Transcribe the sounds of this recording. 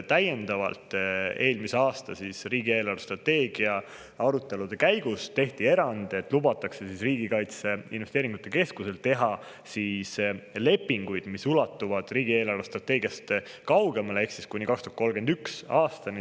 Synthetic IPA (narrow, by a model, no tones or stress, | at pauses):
t̪æje̞nd̪ɑvɑ̰lt̪ˑe̞ːlmise̞ɑːst̪ɑsisriːɡ̥ie̞ːlɑrust̪rɑt̪ːe̞ːɡ̥iɑ | ɑɾut̪ːˑe̞lud̪̥e̞kæjɡ̥ust̪e̞ht̪ie̞ɾɑnd̪̥e̞t̪ːˑlubɑt̪ːˑɑkse̞sisriːɡikɑjt̪seḭnvest̪eːɾiŋɡ̥ut̪ːˑe̞ke̞skuse̞lt̪e̞ɦɑ | sisle̞pːiŋɡ̥ujd̪̥misulɑt̪ːˑuvɑd̪̥riːɡ̥ie̞ːlɑrust̪rɑt̪ːe̞ːɡ̥ijɑst̪ | kɑwɡe̞mɑleehksiskunʲikɑkst̪oɑt̪̚kolɡend̪yksɑːst̪ɑni